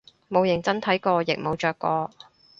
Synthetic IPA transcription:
mo˨˧wjɪ˨˩ŋt͡sɐ˥nt̪ʰɐ˨˥jkɔː˧jɪ̰˨k̚mo˨˧wt͡ʃœː˨kːɔː˧

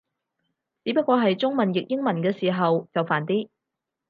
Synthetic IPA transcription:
t͡siː˨˥pɐ˥t̚kɔː˧ɦɐ˨jt͡sʊ˥ŋmɐ˨njɪ˨k̚jɪ˥ŋmɐ˨˩nkɛː˧siː˨˩ɦɐ˨wt͡sɐ˨wfaː˨˩nt̪iː˥

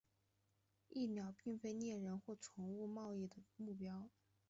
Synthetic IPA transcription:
i˥˩njɑ˨˩ʊpi˥˩ŋfe˥ɪnjɛ˥˩ɻə˧˥nxwɔ˥˩ʈ͡ʂʰʊ˧˥ŋu˥˧mɑ˥˧ʊi˥˩d̪ə˩mu˥˩pjɑ˥ʊ

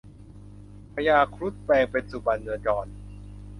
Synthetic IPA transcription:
pʰa˧jaː˧kʰɾu˦˥t̪̚pɛː˧ŋpe˧nsu˨˩ba˨˧˩nːɯ˧ət͡ɕɔː˧n

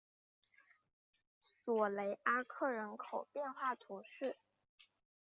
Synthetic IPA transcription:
swɔ˨˩le˧˥ɪʔa˥kʰɤ˥˩ɻə˧˥nkʰo˨˩ʊpjɛ˥˧nxwa˥˩t̪ʰu˧˥ʂ̩˥˩

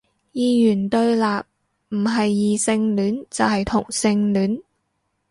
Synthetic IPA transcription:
jiː˨˧jyː˨˩nt̪ɵ˧ɥlaː˨p̚ | m̩˨˩ɦɐ˨jːiː˨sɪ˧ŋlyː˨˥nt͡sɐ˨whɐ˨jt̪ʰʊ˨˩ŋsɪ˧ŋlyː˨˥n

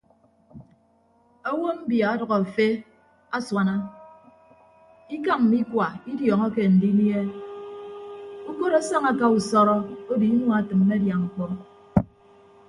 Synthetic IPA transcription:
o˦wo˦m̩˦bja˨a˦dʌ˨ɣɔ˨a˨fe˦ | a˦swa˨na˦ | i˦ka˦mm̩˨mi˦kwa˨i˦djɔː˨ŋɔ˦ke˦˨n̩˨di˦mje˦ | u˦ko˦ɾa˦sa˦ŋa˦ka˦u˨sɔ˦ɾɔ˦o˦di˨˦n˦ɔ˦a˨tɨ˨mː˦e˦dja˨ŋ̩˨kɔ˦

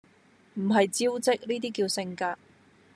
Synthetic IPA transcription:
m̩˨˩ɦɐ˨jt͡siː˥wt͡sɪ˥k̚niː˥t̪iː˥kiː˧wsɪ˧ŋkaː˧

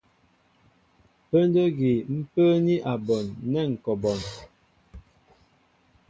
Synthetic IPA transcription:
pə˦ndə˦ɡi˨m̩˦pə˦ni˦ʔa˨bɔ˨nːɛ˦˨ŋ̩˨kɔ˨bɔ˨n

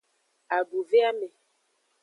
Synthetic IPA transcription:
a˨bu˨ve˦a˦mɛ˨

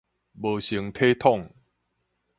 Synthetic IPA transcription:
bəː˨˩ɕi˨˩˦ŋt̪ʰe˦t̪ʰɔ˥˨ŋ

